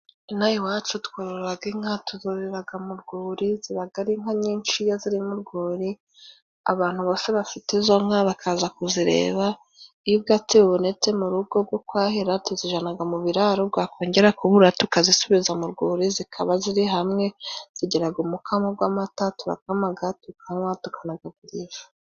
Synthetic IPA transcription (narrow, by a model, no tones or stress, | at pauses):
najiwaːt͡ʃutkwaɾoɾɾaɡiŋhatuzoɾeɾaɡamuɾɡuːɾiziɾaɡaɾiŋhaɲiːnt͡ʃijaziɾimuɾɡuːɾi | a̰βaːn̥uβoseβafitezo̞ŋ̥aβakʰaːzakuziɾe̞̰ːβa | ijubɡatiβuβune̞t͡se̞muɾubɡo̞bɡokwaːɦiɾatuziʒanaɡamuβiɾaɾob̚ɡaːko̞ːɲɟe̞ɾakuβuɾatukazisuβizamuɾɡuːɾizikʰaβaziɾiɦamŋe̞z̥iɟeɾaɡumukʰamaɡwaːmatatuɾa̰kamaɡatukʰaŋwatukʰanaɡaɡuɾiʒḁ